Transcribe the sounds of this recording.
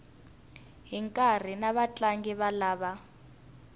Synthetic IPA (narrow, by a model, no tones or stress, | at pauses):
ɦiŋkʼar̤inaβat͡ɬʼaŋɡiβalaːβa